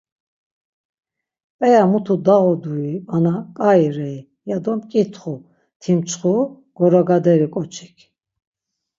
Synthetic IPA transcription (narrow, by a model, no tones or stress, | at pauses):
pʼɛjamut̪ʰud̪aɣɔd̪uianakʼajɾɛi | jad̪ɔmkʼit̪ʰχu | t̪ʰimt͡sʰχu | ɡ̥ɔɾɔɡad̪ɛɾikʼɔt͡ʃʰi̥kʰ